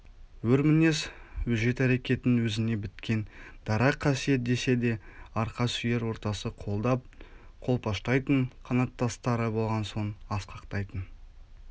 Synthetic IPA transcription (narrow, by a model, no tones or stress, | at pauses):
wɵɾmɪne̞suʒe̞t̪æɾekʲe̞t̪ɪnwɵzɪne̞bɪt̪kʲe̞nd̪̥ɑɾɑqʰːɑsije̞t̪̚d̪e̞se̞d̪e̞ɑɾqɑsʏje̞ɾwo̞ɾt̪ɑsəqʰo̞lˠd̪ɑp̚ | qʰo̞lˠpʰɑʃt̪ɑjt̪əɴqʰɑnɑt̪ːɑst̪ɑɾəbo̞lˠʁɑnso̞ɴɑsqʰɑqt̪ɑjt̪ən